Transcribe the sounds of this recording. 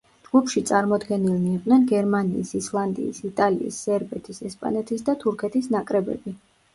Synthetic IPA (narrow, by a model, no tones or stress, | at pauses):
d͡ʒɡ̥upʰʃit̪sʼaɾmɔd̪ɡɛnilniɛqʼnɛnɡɛɾmanḭːsislˠand̪ḭːsit̪ʼalḭḭsːɛɾbɛt̪ʰisɛspʼa̰nɛt̪ʰisd̪at̪ʰuɾkʰɛt̪ʰisnakʼɾɛbɛ̰bi